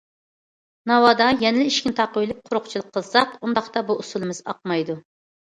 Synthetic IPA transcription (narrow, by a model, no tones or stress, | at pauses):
nɑwɑd̪ɑjɛnɪlɪiʃkʲint̪ʰɑqojlˠɪp̚qʰʊɾʊχt͡ʃʰilˠəqʰːəlˠsɑqund̪ɑχt̪ɑbuʔusulˠɨmɨzɑ̰q̚mɑjd̪u